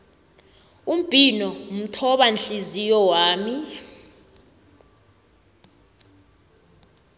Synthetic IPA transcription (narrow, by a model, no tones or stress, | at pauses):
um̩pʼinɔm̩tʰɔɓanɬizijɔwaːmi